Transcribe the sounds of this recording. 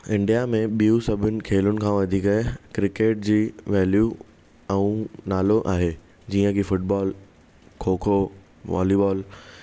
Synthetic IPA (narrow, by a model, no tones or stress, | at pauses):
ɪ̃ɳɖijamẽɓijusɐbʱʊnɪ̆kʰeːlʊnɪ̆kʰãːʋɐd̪ʱikɐekɾɪkeːʈ̚d͡ʑiːʋɛːlju | ɛ̃ũnaːloʔa̰ːɦeː | d͡ʑiːə̃kʰifʊʈbɔːl | kʰoːkʰo | ʋɔ̰ːlibɔːl